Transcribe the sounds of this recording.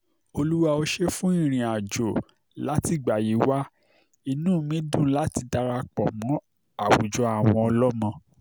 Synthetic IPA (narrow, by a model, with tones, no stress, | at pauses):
o˧lu˦wa˧o˧ʃe˦fũ˦ĩ˦˨ɾ̃ĩ˨a˨d͡ʒo˨ | la˨˦ti˨ɡ͡ba˨ji˨˦wa˦ | i˧nũ˦mĩ˦dũ˦˨˦la˦ti˧da˧ɾa˧k͡pɔ˨mɔ̃˨˦ | a˦˨wṵ˨d͡ʒɔ˨˦a˦˨w̃ɔ̃˧ɔ˧lɔ˦mɔ̃˧